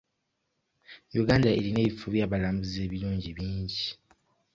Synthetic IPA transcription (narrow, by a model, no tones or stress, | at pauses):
juɡaːndae̞line̞ːβifuβjaːβalaːmbuze̞ːβiluːɲɟiβiːɲɟi